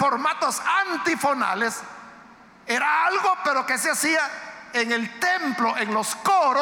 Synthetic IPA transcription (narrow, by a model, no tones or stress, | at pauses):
foɾmat̪o̞sant̪ifona̰les | eɾaalɣope̞ɾo̞ke̞seasiaeŋelt̪emploʔeŋlo̞skoɾo